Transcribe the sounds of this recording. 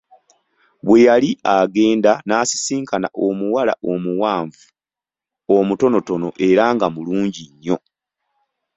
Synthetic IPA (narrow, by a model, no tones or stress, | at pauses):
βwe̞jaliaɡe̞ːndanaːsi̥siːŋkʰana̰ʔomuwala̰ʔo̞muwaːɱvu | omuto̞no̞to̞no̞ʔe̞ɾaŋɡamuluːɲɟiɲːo̞